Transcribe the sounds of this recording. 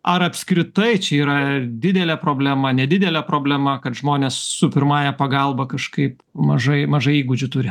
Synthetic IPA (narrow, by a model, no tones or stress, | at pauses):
ɐɾɐpʲskɾʲɪt̪ɐɪt͡ʃʲɛiːɾɐd̪ʲɪd̪ʲɛlʲɛpɾoːbʲlʲæmɐnʲɛd̪ʲɪd̪ʲɛlʲɛpɾoːbʲlʲɛmɐkɐt̪ʒmoːnʲeːssʊpʲɪɾmɑːjɛpɐɡɐlˠbɐkɐʃkɐɪp | mɐʒɐɪmɐʒɐɪiːɡʊd͡ʒʲʊt̪ʊɾʲɪ